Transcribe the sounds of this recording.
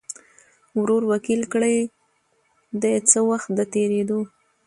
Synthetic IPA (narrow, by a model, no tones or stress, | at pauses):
wɾoɾwakilkɽəj | d̪ət͡səwaxt̪̚d̪ət̪eɾed̪o